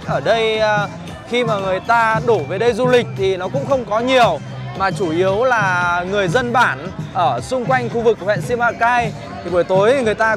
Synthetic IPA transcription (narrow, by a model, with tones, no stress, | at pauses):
ʔəː˧˩ɗə˧j | xi˧maː˨˩ŋɨ˨˩əjt̪aː˧ɗu˧˩ve˨˩ɗə˧jzu˧lï˨˩k̟̚t̪ʰi˨˩nɔ˨˦kʊ̰˧˥ŋ͡mxə˧wŋ͡mkɔ˨˦ɲi˨˩əw | maː˨˩t͡ɕu˧˩ʔi˨˦əwlaː˨˩ŋɨ˨˩əjzə˧nɓaː˧˩nʔəː˧˩sʊ˧ŋ͡mkwa˧jŋ̟xu˧vɨ˨˩k̚hwɛ̰˧˨nsi˧ma̰ː˧˨kaː˧j | t̪ʰi˨˩ɓə˧˩jt̪o˨˦jŋɨ˨˩əjt̪aː˧